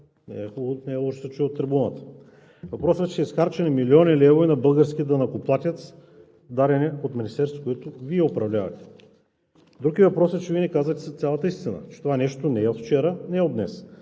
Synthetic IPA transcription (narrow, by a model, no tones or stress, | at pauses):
nɛ̰ɛnɛɛlˠɔʃsət͡ʃɛɛot̪ːɾɛbunət̪ə̥ | vɐpɾɔsɛt͡ʃɛisxaɾt͡ʃɛnɛmilʲiɔnilɛvoinɐbɤlˠɡəɾskʲid̪ɐnɐkoplˠat̪ʲət̪ | d̪aɾɛnɛot̪minʲist̪ɛɾst̪vokoɛt̪ʊviɛopɾɐvlʲavɐ̰t̪ɛ̥ | d̪ɾuɡivɐpɾɔsɛt͡ʃɛviɛnɛkazət̪ɛst̪sʲalˠət̪əist̪inə̰t͡ʃɛ̥t̪ovanɛʃt̪onɛɛot̪ft͡ʃɛɾənɛɛod̪nɛ̰s